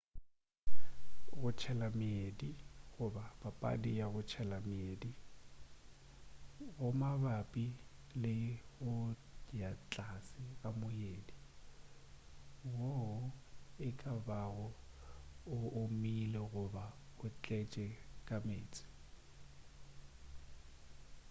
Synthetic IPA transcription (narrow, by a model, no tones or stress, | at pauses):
ɣʊt͡ʃʰɛlamɪediɣʊbab̥apʼa̰dijaɣʊt͡ʃʰɛlamɪedi | ɣʊmabapʼilɪɣʊ | jat͡ɬʼasɪɣamʊjeːdi | wɔʊɪkʼabaɣʊ | ʊʊmilɛɣʊbaʊt͡ɬʼɛt͡ʃʼɛkʼameːt͡sʼɪ̥